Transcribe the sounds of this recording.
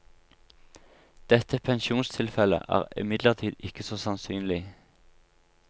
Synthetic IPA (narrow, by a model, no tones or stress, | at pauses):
d̪̥ɛt̪əpʰɛnʃuːnst̪ʰɪlfɛlə̰ʔæ̰ːʁɪ̰mɪd̪ləʁt̪ʰiːd̪ɪkəsoːsɑnsyːnlɪ